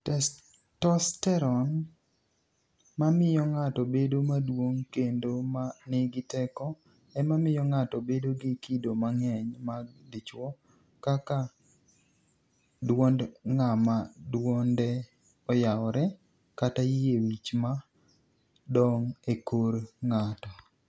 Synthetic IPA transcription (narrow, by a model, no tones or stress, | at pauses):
tɛs | tɔstɛɾɔn | mamɪjɔŋatɔbedomadwoŋkendomanɪɡɪtɛkɔ | ɛmamɪjɔŋatɔbedoɡɪkidomaŋɛɲmaɡdit͡ʃwɔ | kaka | dwondŋamadwɔndɛ | ɔjaɔɾɛ | katajiewit͡ʃma | dɔŋekoɾŋatɔ